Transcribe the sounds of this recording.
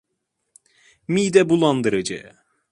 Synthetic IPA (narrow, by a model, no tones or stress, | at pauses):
miːd̪ɛbulˠand̪ɯɾɯd͡ʒɯ̰